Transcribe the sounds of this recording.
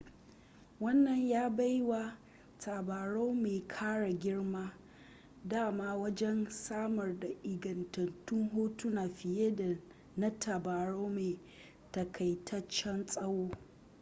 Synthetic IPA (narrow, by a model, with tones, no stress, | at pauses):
wɐ˦nːɐ˨ɲjaː˦ba˦jwa˨ | tʰaː˨baː˨ɽoː˦meː˨kʰaː˦ɽa˨ɡʲɪ˦ɽmaː˦ | daː˦˨maː˦wɐ˦d͡ʒɛ˦nsaː˦mɐ˨rda˨ʔɪ˨ɡɐ˨ntɐ˨ntʊ˦ŋɦoː˦tu˦naː˨ɸɪ˨je˦da˨ | na˦tʰa˨baː˨ɽoː˦meː˨ | tɐ˨kʰɐ˨jtʰɐ˦t͡ʃːɛ˦nsʼɐ˦woː˦